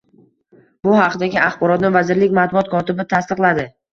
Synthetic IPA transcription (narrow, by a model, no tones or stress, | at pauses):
bʊhɑqʰɨd̪aɡʲɪaχbɒɾɒt̪nɪvazɪɾlɪkʲmat̪̚bʊɒt̪̚kʰɒt̪ɪbɪt̪ʰast̪ɨqlˠad̪ɪ